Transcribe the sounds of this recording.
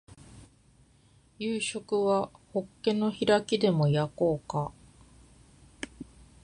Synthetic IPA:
jɯːɕo̞kɯ̟βaho̞kːẽ̞no̞çiɾakʲid̪e̞mo̞jako̞ːka

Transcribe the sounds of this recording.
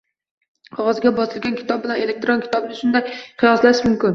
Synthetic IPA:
qʰɒʁɑzɡʲabɒsɨlɡʲankʲɪ̥t̪ɒb̚bɪlane̞lek̚t̪ɾonkʲʰɪ̥t̪ʰɒbɪnɪʃʊnd̪ajqʰɨjɒslaʃmʊmkʲɪn

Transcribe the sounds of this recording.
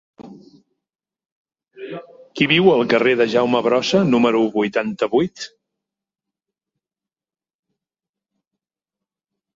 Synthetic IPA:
kiβiwəlˠkəreðəʒawməβɾɔsənuməɾuβujt̪ant̪əβujt̪

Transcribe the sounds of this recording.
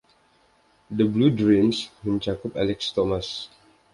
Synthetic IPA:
dəbludɾimsmə̃ɲt͡ʃakʊpa̰lɪkst̪omas

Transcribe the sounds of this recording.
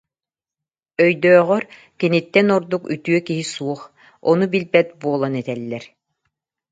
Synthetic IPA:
œjd̪œːʁœɾ | kinit̪ːɛnɔɾd̪uky̰t̪yœkiɦisuɔχ | ɔnubilbɛt̪̚buɔlˠɔnɛt̪ɛlːɛɾ

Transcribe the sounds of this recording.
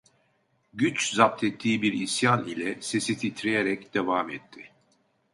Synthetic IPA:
ɟyt͡ʃzap̚t̪ʰɛt̪ʰːiːbiɾisjanilʲɛsesit̪ʰit̪ʰɾejeɾɛcd̪̥ɛvaːmɛt̪ʰːɪ

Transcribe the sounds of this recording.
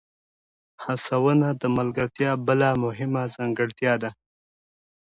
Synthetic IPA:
hasawənad̪əmalɡəɾt̪jɑbəlamʊɦɪmazaŋɡəɽt̪jɑd̪a

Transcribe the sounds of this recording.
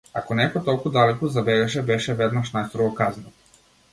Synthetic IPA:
akonekot̪okud̪alikuzabeɡaʃ̬ebeʃeʋed̪maʃnajst̪ɾoɡokaznio

